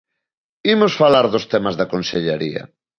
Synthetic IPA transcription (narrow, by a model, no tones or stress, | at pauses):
imosfalaɾðʊst̪ɛmazðakonseʎeɾiɐ̰